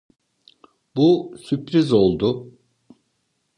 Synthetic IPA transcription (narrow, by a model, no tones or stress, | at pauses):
busypɾizo̞lˠd̪ʊ